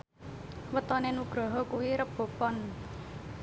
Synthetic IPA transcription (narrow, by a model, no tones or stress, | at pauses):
wət̪ɔnenuɡ̥ɾɔɦɔkuwiɾəb̥o̤pɔn